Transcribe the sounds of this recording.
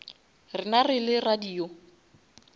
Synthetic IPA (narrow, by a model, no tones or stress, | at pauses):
rɪnarɪlɪradiːo